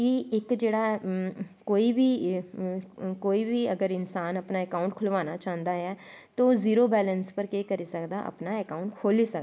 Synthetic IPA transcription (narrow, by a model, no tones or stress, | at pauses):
kiɪkd͡ʒeːɽaː | koːiːbiː | koːiːbiːəɡəɾɪnsaːnəpnaːɛkaːʊ̃ɳʈkʰʊlʋaːnaːt͡ʃãːnd̪aːɛː | t̪õːziːɾoːbɛːlənspəɾkeːkəɾiːsəkd̪a̰ːʔə̰pnaːɛkaːʊ̃ɳʈkʰoːliːsəkda